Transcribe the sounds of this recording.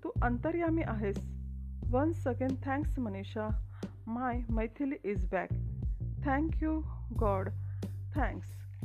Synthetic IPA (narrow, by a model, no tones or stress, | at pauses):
t̪uʔənt̪əɾjamiʔaɦesʋənsəkẽɳɖ̚t̪ʰɛ̃ŋksməneɕa | majməjt̪ʰiliʔizbækt̪ʰɛ̃ŋkjuɡɔɾɖt̪ʰɛ̃ŋks